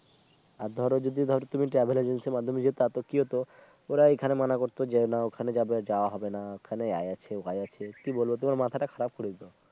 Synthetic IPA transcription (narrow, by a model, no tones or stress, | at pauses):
aɾd̪ʱɔɾod͡ʒod̪id̪ʱɔɾot̪umiʈɾɛbʱeled͡ʒenseɾmad̪ʱːomed͡ʑet̪at̪okiɦot̪o | oɾaekʰanemanakoɾt̪od͡ʑenaokʰaned͡ʑabed͡ʑaoaɦɔbenaokʰanea̰jat͡ɕʰeokajat͡ʃʰekibolbet̪̬omaɾmat̪ʰaʈakʰaɾab̚koɾed̪it̪o